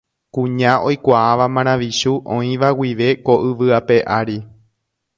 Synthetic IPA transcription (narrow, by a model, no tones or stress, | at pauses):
kũɲãʔo̞jkʷaːʋamãɾ̃ãʋiʃuʔõĩʋawiʋe̞ko̞ʔɨʋɨape̞ʔaɾi